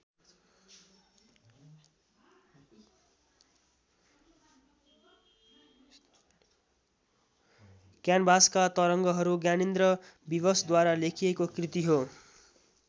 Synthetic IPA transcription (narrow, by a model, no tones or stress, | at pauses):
kjanbʱaskat̪ʌɾʌŋɡʌɦʌɾuɡjanind̪rʌbibʌsd̪waɾalekʰiekokrit̪iɦo